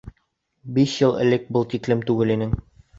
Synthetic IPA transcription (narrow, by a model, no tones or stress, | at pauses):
biʃjɤlˠɘ̰̆lɘk̚bɤlˠt̪iklɘmt̪ʉɡɘlinɘŋ